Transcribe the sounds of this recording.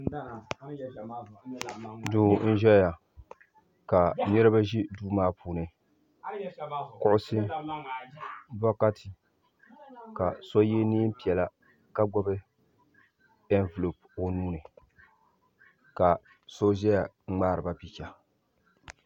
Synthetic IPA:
duː˨n̩˦ʒɛ˦ja˨ | ka˨ɲɛ˦ɾɨ˦ba˦ʒi˦duː˦maː˦puː˨nɨ˨ | kʊ˦ʔʊ˦sɪ˦ | ba˦ka˦tʰɪ˨ | ka˨sɔ˦je˦ni˦pi˨ɛ˨la˦ | ka˦ɡ͡bɔ˦bɨ˦ | ɛ˦nvɨ˨lo˨po˨nuː˦nɨ˨ | ka˨ | so˦ʒɛ˦ja˨˦ | ŋ͡maː˦ɾɨ˨ba˦pi˦ka˨

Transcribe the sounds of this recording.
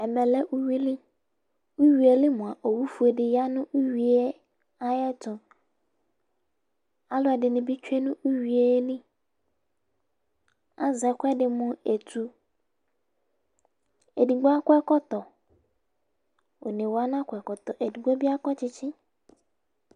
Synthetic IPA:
ɛ˨mɛ̃˨lɛ˦ʔu˦wi˦li˦ | u˦ɥi˨e˨lɪ˦mʊ̃˨a˨ʔo˨wu˦fu˨e˨dɪ˨ja˦nʊ̃˦ʔu˦ɥi˨e˦ | a˦jɛ˦tʰʊ̃˨ | a˦lʊ˨˦ɛ˨dɪ˨nɪ̃˨bɪ˦t͡ʃᶣɛ˦nʊ̃˦ʔu˦ɥi˨e˦lĩ˦ | a˦zɛ˨kʷɛ˦dɪ˨mʊ̃˦e˨tʰu˦ | e˨di˨ɡ͡bɔ˦a˦kʷɛ˦kɔ˦tɔ˨ | o̰˨nĩ˨wa˦n˦ã˦kʷʰɛ˨kɔ˨t̪ɔ˨ʔe˨di˨ɡ͡bo˦bi˦a˦kɔ˦t͡ɕʰɪ˦t͡ɕʰɪ˦

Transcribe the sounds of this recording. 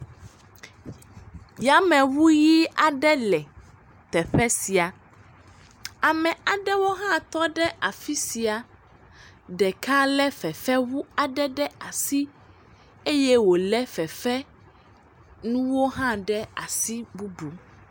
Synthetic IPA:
ja˨mɛ̃˨wu˦ji˦a˨ɖɛ˦lɛ˨ | t̪ɛ˨ɸɛ˦si˨a˨ | a˨mɛ̃˨a˨ɖɛ˦wo˦ɦã˦t̪ɔ˦ɖɛ˦ʔa˨fi˦si˨a˨ | ɖɛ˨ka˦lɛ˦fɛ˨fɛ˦wu˦a˨ɖɛ˦ɖɛ˦a˨si˦ | e˦jɛ˦wo˨lɛ˦fɛ˨fɛ˦ | nũ˦wo˦ɦã˦ɖɛ˦a˨si˦bu˦bu˨

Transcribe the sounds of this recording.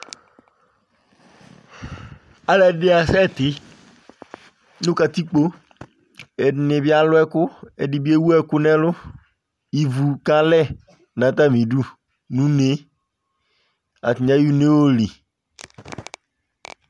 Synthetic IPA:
a˨lɛ˦dɪ˦a˨sɛ˦˨t̪ɪ˨ | nʊ̃˦ka˨t̪i˦k͡po˦ | ɛ˨nɪ˨bɪ˦a˦lʊ˦ɛ˦kʊ˦ɛ˨dɪ˨bi˦e˦wu˦ɛ˦kʊ˦nɛ˦lʊ˦ | i˨vu˨ka˨lɛ˦ | nã˨t̪a˦˨mĩ˨du˦ | nũ˦ne˨˦ | a̰˨t̪i˨ɲa˦ju˦ne˦wo˦li˨

